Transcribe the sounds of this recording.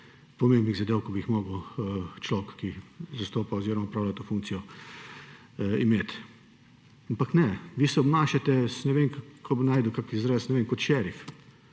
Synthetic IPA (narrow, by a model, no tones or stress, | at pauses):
pɔmembniɣzad̪eːwkɔbiixmɔːɡəwt͡ʃloːkːizast̪oːpaɔziːɾɔmapɾaːwlʲat̪ofũŋk̚tsijɔ | imeːt̪ | ampaknɛʋiːsɛɔbnaːʃat̪ɛsnɛʋeːnkakʰobinaːjd̪ʊkakizɾesnɛʋeːnkɔt̪ʃɛɾif